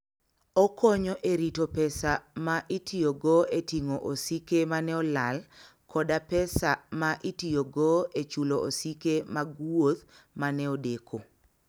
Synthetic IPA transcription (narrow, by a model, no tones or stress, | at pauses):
ɔkʰoɲɔʔeɾitopɛsamaʔɪtioɡoetiŋoʔosikemanɛɔlal | kɔdapɛsamaʔɪtioɡoet͡ʃuloʔosikemaɡwot̪ | manɛodekʰo